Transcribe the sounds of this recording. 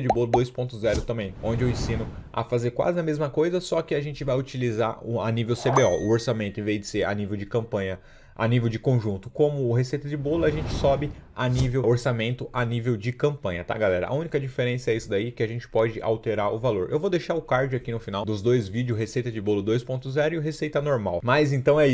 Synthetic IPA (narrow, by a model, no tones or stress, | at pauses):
ɐd͡ʒɪbolʊd̪ojspõnt̪ʊzɛɾʊt̪ɐ̃mbẽj̃õnd͡ʒɪewẽsĩnʊa̰fazeɾkwa̰zɪnɐmezmɐkojzɐsɔkɪaʒẽnt͡ʃɪvajut͡ʃiliza̰ʊanivewsebeɔʔʊoɾsamẽnt̪ʊẽvezd͡ʒ̪ɪseɾa̰nivewd͡ʒɪkɐ̃mpɐ̃ɲɐ | a̰nivewd͡ʒɪkõʒũnt̪ʊkõmʊːɦesejt̪ɐd͡ʒɪbolʊaʒẽnt͡ʃɪ̥sɔbɪanivewoɾsamẽnt̪ʊʔanivewd͡ʒɪkɐ̃mpɐ̃ɲɐt̪a̰ɡalɛɾɐ̰ʔa̰ũnikɐd͡ʒifeɾẽsɐɛisʊd̪aikɪaʒẽnt͡ʃɪ̥pɔd͡ʒɪʔa̰wt̪eɾaɾʊvaloɾʔewvod̪ejʃaɾʊkaɾd͡ʒʊakinʊfinawd̪ʊzd̪ojzvid͡ʒɪʊɦesejt̪ɐd͡ʒɪbolʊd̪ojspõnt̪ʊzɛɾʊiʊɦesejt̪ɐnoɾma̰wmajzẽnt̪ɐ̃w̃ɛi